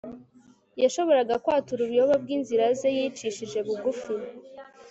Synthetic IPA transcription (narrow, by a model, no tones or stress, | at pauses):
jaʃo̞βo̞ɾaɡakwaːtuɾuβjo̞βab̚ɡiːnziɾazejiːt͡ʃiʃiʒe̞βuɡufi